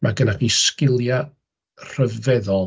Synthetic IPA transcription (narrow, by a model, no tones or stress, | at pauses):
maɡənapʰiskɪlˠja | r̥əvɛðɔ